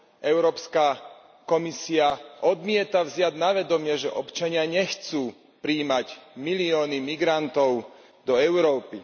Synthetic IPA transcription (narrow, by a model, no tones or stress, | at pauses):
ʔɛʊɾɔːpska | kɔmisiaʔɔd̪mɪɛt̪avzɪad̪naʋɛd̪ɔmɪɛʒɛʔɔpt͡ʃaɲɪaɲɛxt͡suː | pɾiːmaɟmiliɔːnimiɡɾant̪ɔʊ | d̪ɔɛʊɾɔːpi